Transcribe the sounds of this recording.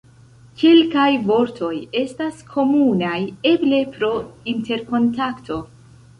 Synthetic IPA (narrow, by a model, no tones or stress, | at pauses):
kilkajvo̞ɾtʰo̞je̞staskʰo̞munaje̞ble̞pɾo̞inte̞ɾko̞ntaktʰo̞